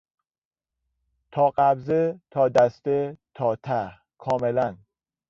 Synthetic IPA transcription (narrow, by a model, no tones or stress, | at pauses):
t̪ʰɒːɢæbzet̪ʰɒːd̪æst̪et̪ʰɒːt̪ʰæh | kʰɒːmelæn